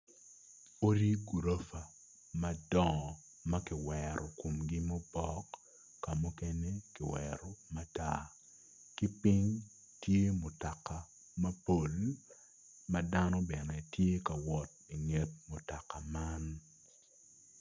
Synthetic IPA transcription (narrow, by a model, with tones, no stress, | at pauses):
o˦ɾi˦ɡu˨ɾo˦fa˨ | mɐ˦dɔ˦ɔ˨ | mɐ˦kɪ˨wɛɾʔɔ˨ko˨mɡi˦mo˦bɔ˦kː | a˨mu˦ke˦ne˦kɪ˨wɛ̰ɾo˨ma˦ta̰˦ | ki˦pi˦ŋ | tje˦mo˨ta˨ka˨ | mɐ˦po˦l | mɐ˦da˦nɔ˦bɛ˨nɛ˨tje˦ka˨wɔ˨t̚ | i˨ŋe˨t̚mo˨ta˨ka˨ma˦n